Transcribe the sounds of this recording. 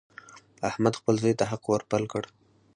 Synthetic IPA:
ahmad̪xpəlzɑjt̪aɦaqwəɾpalkəɽ

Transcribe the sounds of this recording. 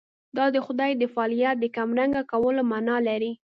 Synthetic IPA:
d̪ɑd̪əxʊd̪ɑjd̪əfɑlijat̪̚d̪əkamɾaŋɡakawəlomanɑlaɾi

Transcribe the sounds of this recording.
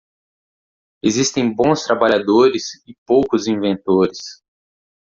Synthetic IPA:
ezist̪ẽj̃bõst̪ɾabaʎad̪oɾɪsɪpowkʊzĩvẽnt̪oɾɪs

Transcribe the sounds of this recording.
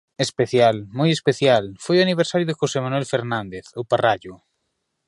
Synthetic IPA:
espeθjalmojespeθjalfojoaniβ̞eɾsaɾjʊðexosemanuwɛlfeɾnãnd̪eθoparaʎʊ

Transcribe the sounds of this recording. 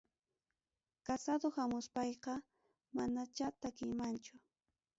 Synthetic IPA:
kasad̪ohamʊspɑjqɑ | manat͡ʃat̪akɪjmant͡ʃʊ

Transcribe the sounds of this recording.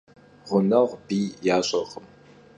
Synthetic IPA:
ʁʷʊnɐʁʷbiːjaːɕʼɐʁəm

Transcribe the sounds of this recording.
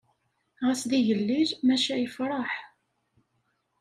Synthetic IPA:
ʁæsðiʝəlːiɾmæʃæjəfɾˤɑħ

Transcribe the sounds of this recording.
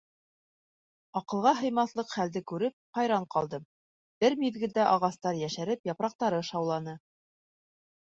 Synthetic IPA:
ɑqɤ̆lˠʁɑɦɤ̆jmɑθlˠɤqχæld̪ɘkʉɾɘp̚χɑjɾɑɴqɑlˠd̪ɤm | b̥ɘɾmiðɡɘ̆ld̪æʔɑʁɑst̪ɑɾjæʃæɾɘpjɑpɾɑq̚t̪ɑɾɤʃɑwlˠɑnɤ

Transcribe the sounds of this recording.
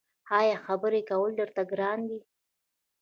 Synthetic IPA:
hɑjɑxabəɾekawəld̪əɾt̪aɡɾɑnd̪i

